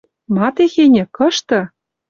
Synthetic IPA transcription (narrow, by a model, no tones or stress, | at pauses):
mɑt̪exenʲɘ̆kɤ̆ʃt̪ɤ̆